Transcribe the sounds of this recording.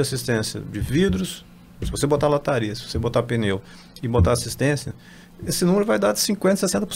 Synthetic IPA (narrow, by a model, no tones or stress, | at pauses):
asist̪ẽsjɐ̰d͡ʒɪvid̪ɾʊs | sɪvosebot̪alat̪aɾiɐsɪ̥vosebot̪apẽnew | ɪbot̪aasist̪ẽsjɐ | esɪnũmeɾʊvajd̪aɾd͡ʒɪsĩkwẽnt̪ɐsesẽnt̪ɐp